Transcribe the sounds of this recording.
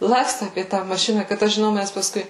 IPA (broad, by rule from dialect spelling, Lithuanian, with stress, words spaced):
ˈlˠɑːkstʊ ɐpʲiɛ tɑː mɐˈʃʲɪnɐ kɐt ˈɐʃ ʒʲɪˈnɐʊ ˈmʲæs pɐsˈkʊɪ